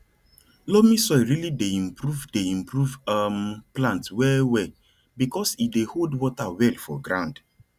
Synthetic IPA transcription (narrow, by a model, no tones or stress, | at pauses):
lomisɔɪɹilideĩmpɾuvdeĩmpɹuvamplãntwɛwɛ | bikɔsideholdwɔtawɛlfɔ̰ɡɹãnd